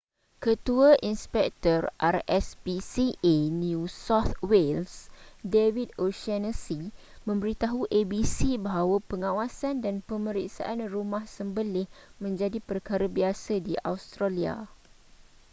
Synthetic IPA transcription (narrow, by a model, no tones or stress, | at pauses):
kət̪uaʔinspɛk̚t̪ɔrʔarɛsbisienjũsɔt̪welsdewidoʃanəsi | mə̃mbəɾit̪aɦuʔebisibaɦawapəŋãwasandanpəmə̃ɾiksa̰ʔanrumãhsəmbəlɪhmə̃ɲd͡ʒadipərkaɾabiasadiʔa̰wst̪ɾalia̰